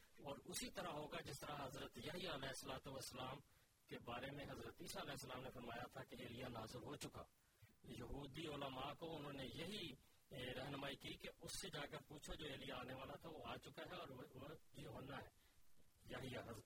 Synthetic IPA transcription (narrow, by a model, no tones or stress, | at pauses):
ɔːɾʊsit̪əɾaɦoːɡad͡ʒɪst̪əɾaɦɐzɾət̪jɐɦijaɐlɛːɪsəlaːt̪uʋəsːəlaːm | kebaːɾemẽɦɐzɾət̪iːsaəlɛːɦsəlaːmnefɐɾmaːjat̪ʰakeeːlɪjanaːzɪlɦot͡ʃʊka̰ː | jɐɦuːd̪iʊləmaːkoʊnɦõːnejɐɦi | ɾɐɦnmaːikikeʊsːed͡ʒaːkəɾpuːt͡ʃʰod͡ʒoːeːlɪjaaːneʋaːlat̪ʰaʋoaːt͡ʃʊkaɦɛɔːɾjoɦənːaɦɛː | jɐɦijaɦə